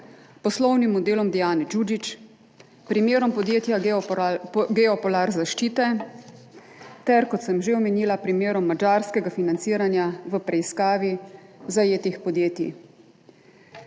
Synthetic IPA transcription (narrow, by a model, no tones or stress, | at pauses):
pɔslɔwnimːɔd̪eːlɔmd̪ɛjaːnɛd͡ʒud͡ʒit͡ʃ | pɾimjeːɾɔmpɔd̪jeːt̪ja | ɡɛɔpɔlaɾzaʃt͡ʃiːt̪ɛ | t̪ɛɾkɔt̪səmʒeɔmɛniːlapɾimjeːɾɔmːad͡ʒaːɾskɛɡafinant̪siːɾanjaʋəpɾɛiskaːʋizajeːt̪ixpɔd̪jeːt̪jḭ